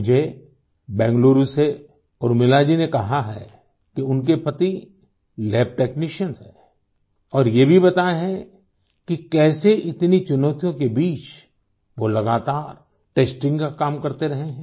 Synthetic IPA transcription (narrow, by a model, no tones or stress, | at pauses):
d͡ʒʱe | bɛ̃ːŋɡloːɾuse | ɔːɾmɪlaːd͡ʒinekɐɦaɦɛ̰ | kiʊnkepɐt̪i | lɛːp̚ʈeːkniːʃənsɦɛ̃ː | ɔːɾjebʱibɐt̪aɦɛ̃ | kikɛːseʔɪt̪nit͡ʃʊnəʊt̪ijõkebiːt͡ʃ | ʋolɐɡaːt̪aːɾ | ʈeːsʈɪ̃ŋɡkakaːmkɐɾt̪eɾɐɦeɦɛ̃ː